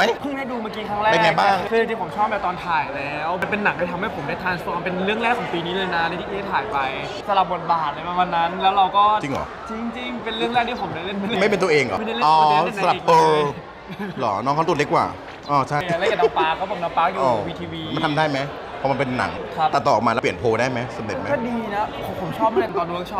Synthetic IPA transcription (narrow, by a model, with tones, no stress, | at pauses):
ma˦˥jpʰu˥˩ŋda˥˩duː˧maː˥˩kiː˦˥kʰaː˦˥ŋɾɛː˧e˧˩nŋa˧jbaː˥˩ŋkʰːŋt͡ɕi˧˩pʰo˩˦mt͡ɕʰɔː˥˩p̚lɛː˦˥˩t̪ɔː˧nt̪ʰaː˨˩jlɛː˦˥wma˧npe˧nːa˨˩˦ŋtʰa˥˩t̪ʰa˧mha˥˩jpʰo˩˦daː˥˩jt̪ʰaː˧nsʰu˧kʰa˧pe˧nɾɯ˥˩əŋɾɛː˥˩kʰːɔː˩˦ŋpiː˧niː˦˥lɤː˧jna˦˥la˧˥˩t̪iː˧˥˩eː˥˩t̪ʰaː˨˩˦jpa˧j | sa˧la˨˩p̚bo˨˩t̪̚baː˨˩t̪̚la˧jpa˧maː˧nːa˦˥nlɛː˦˥wɾa˧wkɔː˥˩t͡ɕi˧ŋʔɔ̰ː˨˦t͡ɕi˧ŋt͡ɕi˧ŋpe˧nɾɯ˥˩əŋlɛː˥˩k̪̚ʰiː˥˩pʰndaː˥˩jle˥˩nma˧˥˩ma˥˩jpe˧nt̪u˧ʔeː˧ŋʔɔ̰˨m˥˩da˥˩lʔɔː˧˦˥sa˧la˨p̚ʔɤː˧ | lɔ̰ː˩˦nɔː˦˥ŋkʰɔ˥t̪̚le˦˥k̚wa̰ː˨˩ | ʔɔː˧˩t͡ɕʰa˥˩ja˨˩la˥˩ja˨˩na˧ŋpaː˧˦˥kʰːɔː˥˩pʰo˨˩˦mna˧ŋpaː˦˥k̚ju˨ɔː˨˧˨wiː˧t̪ʰiː˧wiː˧m˥˩t̪ʰa˧mdaː˥˩jma˦˥j | pʰɔ˧ma˧pe˧nːa̰˨˩˦ŋkʰa˦˧˩t̪a˨˩t̪ɔː˨˩˨mːaː˧ɛː˧˦˥pli˨˩ənpʰoː˧daː˦˥˩jma˦˥sa˧m̚le˨˩t̚ma˦ɔ˥˩diː˧na˦˥pʰpʰo˨˦mt͡ɕʰɔː˥˩p̚ːt̪ɔː˧nuː˧˦kt͡ɕʰɔː˥˩